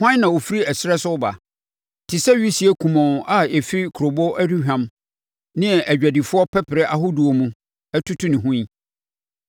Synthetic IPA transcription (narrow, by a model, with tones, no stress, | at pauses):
hʊ˦ã˦nã˨wo˨fi˦ɾi˦æ˨sɪ˦ɾɛ˦sʊ˦ʊ˦ba̰˨ | tʰɪ˨sɛ˦ɥi˦si˨˦ɛ˦kʰũ˨mɔ̃˨n˨ʔa˨e˨fi˦ɾi˦kʰɾo˨bɔ˦ʔæ˦du˦hᶣã˨m | nɪ̃˦ɛ˨ʔæ˨d͡ʑᶣæ˨di˨fʊ˦ɔ˦pʰɛ˦pʰɪ˨ɾɛ˦ʔa˨ɦʊ˦du˨o˨mũ˦ | æ˦tʰu˦tʰu˦nɪ̃˨ɦũ˦i˦